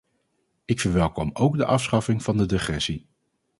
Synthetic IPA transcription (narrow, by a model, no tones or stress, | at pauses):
ɪkfəɹʋɛlˠkɔmowɡdəʔɑfsχɑfɪŋv̥ɑndədɪχrɛsi